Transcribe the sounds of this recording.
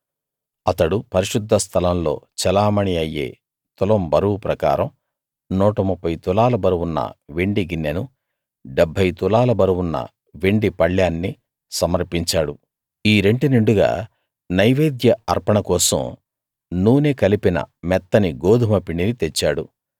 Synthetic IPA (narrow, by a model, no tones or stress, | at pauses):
ɐt̪ɐɽupɐɾiʂud̪ʱːɐst̪ʰɐlɐmlo̞̰ːt͡ʃɛlaːmɐɳiɐjːḛː | t̪ulɐmbɐɾuwpɾɐka̰ːɾɐm | nuːʈɐmupːɐjt̪ulaːlɐbɐɾuwunːɐ̰ʋeɳɖiɡinːɐnu | ɖebʱːɐjt̪ulaːlɐbɐɾuwunːɐ̰ | ʋeɳɖipɐɭjaːnːi | sɐmɐɾpiɲt͡ʃaːɽu | iːɾe̞ɳɖuneɳɖuɡa̰ː | nɐjʋeːd̪jɐɐɾpɐɳɐkɔːsɐ̰m | nuːneːkɐlipinɐ̰mɛt̪ːɐniɡoːd̪ʱumɐpiɳinit̪et͡ʃːaːɽu